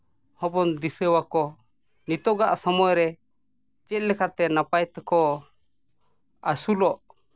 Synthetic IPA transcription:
hɔbɔnd̪isəwakɔ | nit̪ɔɡaʔsɔmɔɛɾɛ | t͡ʃɛt̪̚lɛkat̪ɛnapajt̪ɛkɔ | asulɔʔ

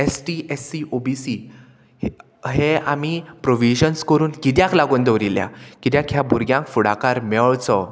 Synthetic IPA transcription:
esʈiesiʔobisi | ɦeamipɾoʋiɕənskəɾuːnkit̪̬jãklaɡund̪əʋɾilja̰kit̪jãkʰjabʱuɾɡjãŋkfuɽa̰kaɾmɛɭt͡sɔ

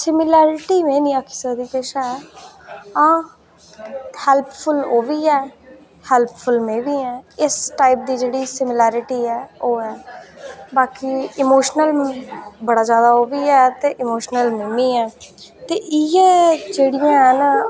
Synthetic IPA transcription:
sɪmɪlɛːɾɪʈiːmẽːnĩːaːkʰi̥ːsəd̪iːpeːʃaːɛː | ãː | hɛlppʰʊloːʋiːɛː | hɛlppʰʊlmẽːʋiːɛ̃ːɪsʈaːɪp̚d̪iːd͡ʒeːɽiːsɪmlɛːɾɪʈiːɛːoːɛː | baːkiːɪmoːʃnəlbəɽaːzjaːd̪aːoːʋiːɛːt̪eːʔɪmoːʃnəlmeːmĩːɛːt̪eːʔɪẽːd͡ʒeːɽɪjãːɦən

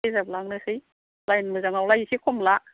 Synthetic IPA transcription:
jzab̚laŋnɯsɯj | lajnmɯzaŋawlajisikʰɔmla

